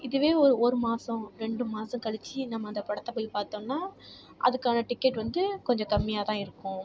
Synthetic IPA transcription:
ɪðɯʋeːɔɾɯoːɾɯmaːsɐ̃ɾɛɳɖɯmaːsɐ̃kɐɭɪt͡ʃːinɐmːɐɪnd̪ɐpɐɽɐt̪ːɐpoːjpaːɾt̪õːnːaː | ʔɐ̰ðɯkːaːnɐʈɪkːɛʈʋɐnd̪ɯkɔɲd͡ʒɔ̃k̪ɐmːɪjaːt̪ãːɪɾɯkːʊ̃

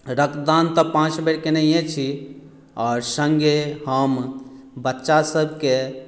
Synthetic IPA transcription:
ɾəkd̪ant̪əpãt͡ʃbeʈkenejẽt͡ʃʰi | ɔːɾsəŋɡehəm | bətːʃasəbʱke

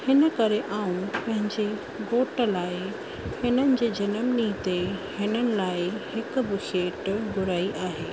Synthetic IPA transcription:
hɪnə̆kɐɾeʔaːũnpɐ̃ɦɪ̃ɲd͡ʑe | ɡoːʈə̆laːɪ | hɪnənɪ̆d͡ʑeːd͡ʑɐnəmnit̪ehɪnənɪ̆laːɪhɪkʊ̆bɪseːʈɡʊɾaːiʔaːɦeː

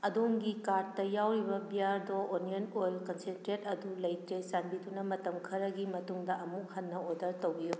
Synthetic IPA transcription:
ɐdoŋɡikaɾ̚tɐjawɾibɐbiaɾdɔʔːnionojlkɐnsentɾet̚ɐdulɐjtɾesanbidunɐmɐtɐmkʰɐɾɐɡimɐtuŋdɐʔɐmuk̚hɐnːɐodɐɾtowɡiju

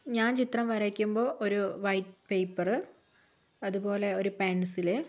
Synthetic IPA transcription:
ɲaːnt͡ɕit̪rɐmʋɐɾɐkʲːumbo̞ːʔoɾuʋɐjtpejpːɐrɨ | ɐðubo̞ːle̞o̞ɾupaːnusilɨ

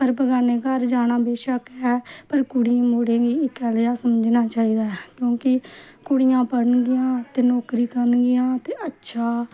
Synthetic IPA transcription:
pəɾbəɡaːneːkəɾd͡ʒaːnãːbeːʃəkɛːpəɾkʊɽɪjãːmoːɽẽːɡiːɪkɛːljaːsəmd͡ʒnaːt͡ʃaːiːd̪aːɦɛkjõːkɪ | kʊɽɪjãːpəɽənɡɪjãːt̪eːnɔːkɾiːkəɾənɡɪjãːt̪eːətːʃʰaː

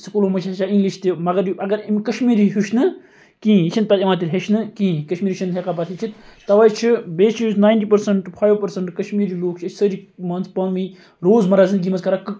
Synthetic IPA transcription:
sɨkuloːmɐt͡ʃʰeaĩŋɡliʃt̪imɐɡɐɾuʔɐɡɐɾimkɐʃmiːɾiɦuʃnɨ | kĩːt͡ʃʰinpɐt̪imãːt̪̬ilʲɦeʃʰnɨkĩːkɐʃmiːɾit͡ʃʰinɦekapɐt̪ʰit͡ʃʰit̪t̪ɐʋɐjt͡ʃʰibeːt͡ʃʰisnaːjɳʈiːpɐɾsɐɳʈpʰaːjʋpɐɾsɐɳʈkɐʃmiːɾiːloːk̚t͡ʃʰət͡ʃʰsəɾimɐnspɐnʋĩ | ɾoːzmɐɾazɨnd̪ɡʲimɐskɐɾakɨ

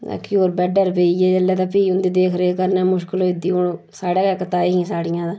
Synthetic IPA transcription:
koːɾbɛːɖəɾbeːiːjɛːd͡ʒəlːɛːd̪aːpiːʊnd̪iːd̪eːkʰɾeːkəɾnɛːmʊʃkəloːɪd̪iːʊɳ | saːɽaːkɛːkət̪aːeːɦĩːsaːɽɪjãːd̪aː

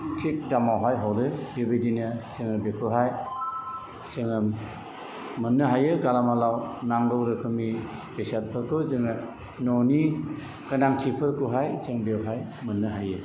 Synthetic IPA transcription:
tʰik̚tamawɦajɦawdɯbebedinɯsɯŋɯbekʰɯɦaj | sɯŋɯ | mɯnːɯɦajɯɡalamalawnaŋɡɔwɾɯkʰɯmibesat̚pʰɯɾkɯzɯŋɯ | nɔni | kanaŋtʰipʰɯɾkɯɦajseŋbewɦajmɯnːɯɦajɯ

